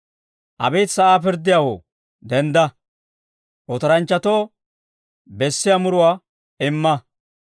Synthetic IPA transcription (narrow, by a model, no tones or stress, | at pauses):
ʔɐ̰bɛːt̪sɐʔaːp̬ɪɾd̪ɪjaːwoː | d̪ɛnd̪ɐ | ʔɔt̪ɐɾɐnt͡ʃːɐt̪oː | bɛsːɪjamʊɾʊwaː | ɪmːɐ